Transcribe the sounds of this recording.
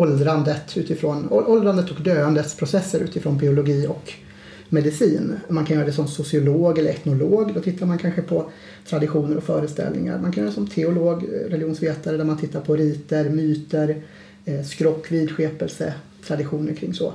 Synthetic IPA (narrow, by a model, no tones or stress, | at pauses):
ɔld̪ɾand̪ət̪ʉ̟ːt̪ɪfɾoːnɔʔɔld̪ɾand̪ət̪ɔkd̪øːand̪ət̪spʰɾʊsɛsːəɾʉ̟ːt̪ɪfɾoːnbɪʊlʊɡiːɔk | mɛd̪ɪsiːnmankʰanjœːɾad̪ɛsɔmsʊsɪʊloːɡɛlːəɾɛt̪nʊloːɡd̪ɔt̪ʰɪt̪ːaɾmankʰanɧəpʰɔ | t̪ʰɾad̪ɪɧuːnəɾɔkfœːɾəst̪ɛ̰lnɪ̰ŋa̰ɾmankʰanjœːɾdɛsɔmt̪ʰɛʊloːɡɾɛlɪuːnsveːt̪aɾəd̪æɾmant̪ʰɪt̪ːaɾpʰɔɾiːt̪əɾmyːt̪əɾ | skɾɔkːviːd̪ɧeːpɛlsə̰ | t̪ʰɾad̪ɪɧuːnəɾkʰɾɪŋːsɔ̰